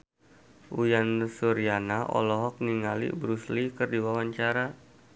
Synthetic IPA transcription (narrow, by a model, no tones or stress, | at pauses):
ʔujansuɾianaɔ̰lɔɦɔk̚niŋalḭʔbɾuslikərdiwawaɲt͡ʃaɾa